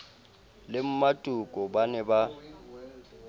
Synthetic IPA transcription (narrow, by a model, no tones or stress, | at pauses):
lɪm̩matʼukʼɔbanɛba